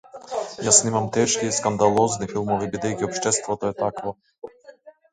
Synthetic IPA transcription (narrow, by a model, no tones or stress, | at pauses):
jasnimamt̪ɛʃkiːskand̪alˠɔznifilˠmɔvibid̪ɛjkʲiɔpʃt̪ɛst̪vɔt̪oɛt̪akvo